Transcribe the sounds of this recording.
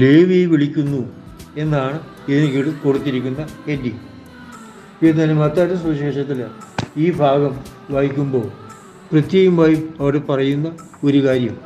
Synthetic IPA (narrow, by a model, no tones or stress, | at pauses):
leːʋijʋiɭikʲːunːu | e̞nːaːɳɨ | iðinekːiɽɨko̞ɽut̪ːiɾikʲːunːɐedːi | enːɐnɐmɐt̪ːaːɾɨsuiɕeːʂɐt̪ːiliːbʱaːɡɐmʋaːjikʲːumbo̞ːɭ | prɨt̪jeːɣumaːjiɐʋɐɽepɐrɐjunːɐ | o̞ɾukaːɾjɐm